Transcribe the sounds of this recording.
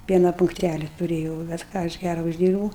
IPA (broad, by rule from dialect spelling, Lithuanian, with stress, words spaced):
ˈpʲiɛnɐ pʊŋkˈtʲælʲɪ tʊˈrʲeːjɛʊ bʲɛt ˈkɑː ɐʃ ˈɡʲærɐ ʊʒʲˈdʲiːrbuːʊ